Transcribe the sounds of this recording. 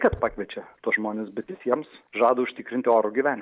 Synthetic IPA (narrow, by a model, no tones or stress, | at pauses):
kɐt̪pɑːkʋʲiɛt͡ʃʲɛt̪uɔsʒmoːnʲesbʲɛt̪ʋʲɪsʲiɛmsʒɑːd̪ɐʊʃʲt̪ʲɪkɾʲɪnʲt̪ʲɪoːɾʊɡʲɪʋʲæːnʲ